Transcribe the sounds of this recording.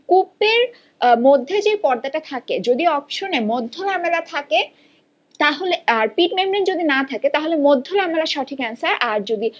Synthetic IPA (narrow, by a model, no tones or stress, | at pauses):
kupeɾ | mod̪ʱːed͡ʑejpɔɾd̪aʈat̪ʰaked͡ʑod̪iɔpʃonemod̪ʱːolamelat̪ʰake | t̪aɦoleaɾpiʈmemɾend͡ʑod̪inat̪ʰaket̪aɦolemod̪ʱːolamelaʃɔʈʰikansaɾʔaɾd͡ʑod̪i